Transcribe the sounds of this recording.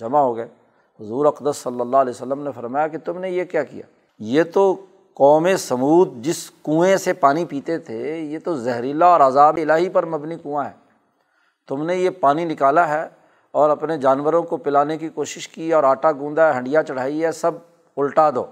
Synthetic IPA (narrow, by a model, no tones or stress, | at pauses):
d͡ʒɐmaɦoːɡəe | ɦʊzuːɾɐqd̪əsːɐlːəlːalɛːosəlːəmnefɐɾmaːjaket̪ʊmnejekjaːkḭja̰ː | jet̪o | kɔːmesɐmuːd̪̚d͡ʒɪskũːẽsepaːnipiːt̪et̪ʰejet̪ozɛɦɾilaɔːɾazaːbeɪlaːɦipɐɾmɐbnikũːãɦɛ̰ː | t̪ʊmnejepaːninɪkaːlaɦɛː | ɔːɾɐpned͡ʒaːnʋəɾõkopɪlaːnek̬ikoːʃɪʃkiɔːɾaːʈaɡũːnd̪aɦɐ̃ɳɖɪjat͡ʃɐɽ̤aːiɦɛsɐb̚ | ʊlʈaːd̪o̰ː